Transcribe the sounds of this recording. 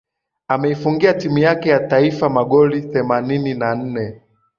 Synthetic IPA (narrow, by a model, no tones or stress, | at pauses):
amɛifuŋɡiatimujakɛjataifamaɠɔliθɛmanininan̩nɛ